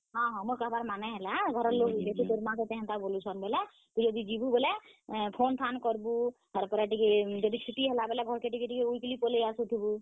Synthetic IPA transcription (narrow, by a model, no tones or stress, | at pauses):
ɦɔ̃ɦɔ̃moɾkaɦbaɾmanɛɦelaɡʱɔɾɔlːoɦujlet̪ʰit̪oɾmãset̪ɛ̃ɦɛ̃nt̪abolut͡ʃʰɔnbelɛ | k̪id͡ʒɔd̪id͡ʒibubelɛpʰont̪ʰankɔɾbu | ɦəɾpɔɾaʈiked͡ʒɔd̪it͡ʃʰiʈiɦelabelaɡʱɔɾkeʈikeʈikeuikelipolejasut̪ʰibu